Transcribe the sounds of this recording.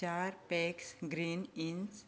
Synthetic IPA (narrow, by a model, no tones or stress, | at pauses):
aːɾpɛːksɡɾiːnins